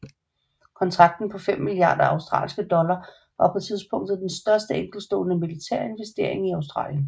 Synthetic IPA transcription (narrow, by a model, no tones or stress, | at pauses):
kʰɒ̽nt͡sʰʁɑ̈ɡ̥̚d̥n̩pʰɒ̽fem̰miliɑ̰̈ːd̥ɐɑ̈ʊsd̥ʁɑ̰̈ːlsɡ̥əd̥ɒ̽lɐ | ʋɑ̈pʰɒ̽t͡sʰið̞ˠsb̥ʰɔ̽ŋ̰d̥ð̩ˠd̥ensd̥ɶɐsd̥əeŋ̰ɡ̥l̩sd̥ɔ̰ːnəmilit͡sʰæ̰ɐ̰e̝nʋesd̥e̝ɐ̰e̝ŋiɑ̈ʊsd̥ʁɑ̰̈ːljən